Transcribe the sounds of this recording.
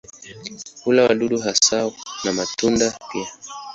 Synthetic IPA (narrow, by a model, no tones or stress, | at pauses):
ulawa̰ɗuɗuɦasanamatundapia